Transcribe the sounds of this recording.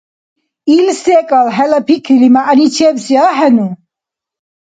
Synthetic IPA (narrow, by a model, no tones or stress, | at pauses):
ilsɛkʼalɦɛlɐpʰikʰilimaʔnit͡ʃʰɛbsjaɦɛnu